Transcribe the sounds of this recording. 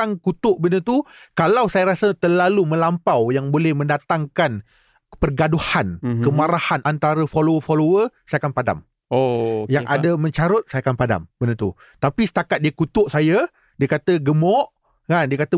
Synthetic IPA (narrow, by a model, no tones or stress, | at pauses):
aŋkut̪ʊʔbənət̪ukalawsajaɾasət̪ərlalumə̃lampawjaŋbolɛhmə̃ndat̪aŋkan | pərɡaduhankəmaɾahanʔant̪aɾəfolowəfolowərsajakanpada̰m | ojaŋʔa̰damə̃ɲt͡ʃaɾʊt̪̚sajakanpada̰mb̥ənət̪u | t̪apisə̥t̪akat̪̚diəkut̪ʊʔsaja | diəkat̪əɡəmɔʔ | kandiəkat̪ə